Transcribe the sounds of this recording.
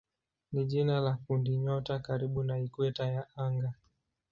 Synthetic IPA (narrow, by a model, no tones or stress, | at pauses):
niʄinalakundiɲɔtakaɾiɓunaikwɛtajaaŋɡa